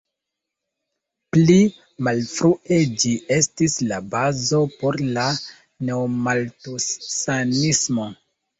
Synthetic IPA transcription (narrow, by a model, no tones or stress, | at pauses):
pli | malfɾuʔe̞d͡ʒie̞stislabazo̞po̞ɾla | ne̞omaltussanismo̞